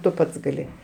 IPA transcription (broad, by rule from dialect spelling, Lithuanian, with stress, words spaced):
tʊ ˈpɐts ɡɐˈlʲɪ